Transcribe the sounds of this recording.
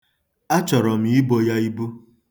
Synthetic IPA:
a˦t͡ʃɔ˨ɾɔ˨m˨˦i˦bo˨ja˦i˦bu˦

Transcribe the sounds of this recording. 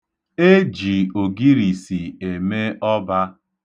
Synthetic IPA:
e˦d͡ʒi˨o˨ɡi˦ɾi˨si˨e˨me˦ɔ˦ba˦

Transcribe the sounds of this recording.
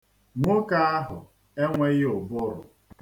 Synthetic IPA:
ŋʷo˦ka˦a˦ɦʊ˨ | e˦ŋʷe˦ɣɪ˦ʊ˨bʊ˦ɾʊ̰˨

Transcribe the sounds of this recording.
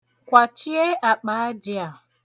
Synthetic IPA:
kʷa˨t͡ʃi˦e˦a˨k͡pa˨a˦d͡ʒɪ˦a˨

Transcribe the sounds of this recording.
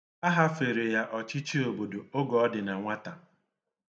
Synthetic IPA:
a˦ɦa˦fe˨ɾe˨ja˦ʔɔ˨t͡ʃɪ˦t͡ʃi˦o˨bo˨do˨o˦ɡɔ˨ɔ˦dɪ˨na˨ŋʷa˦ta˨

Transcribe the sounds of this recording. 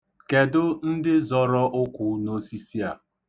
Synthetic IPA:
ke˨dʊ˦n̩˦dɪ˦zɔ˨ɾɔ˦ʔʊ˦kʷʊ˨no˦si˦si˦a˨

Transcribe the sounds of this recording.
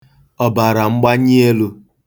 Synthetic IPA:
ɔ˨ba˨ɾa˨ŋ͡m̩˦ɡ͡ba˦ɲi˦e˦lu˦

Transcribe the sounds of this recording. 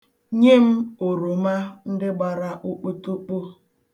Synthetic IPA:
ɲe˦m̩˦o˨ɾo˨ma˦n̩˦dɪ˦ɡ͡ba˨ɾa˦ʔo˦k͡po˦tu˦k͡po˦

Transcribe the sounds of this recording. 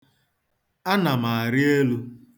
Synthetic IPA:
a˦na˨ma˨a˨ɾɪ˦e˦lu˦

